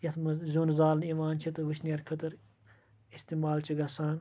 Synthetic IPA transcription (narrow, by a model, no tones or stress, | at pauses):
jɐt̪mɐzuːnzaːlniːmaːnt͡ʃʰit̪ɨʋɨt͡ʃʰnijɐɾkʰɐt̪ɐɾ | ist̪iːmaːlt͡ʃʰiɡɐsaːn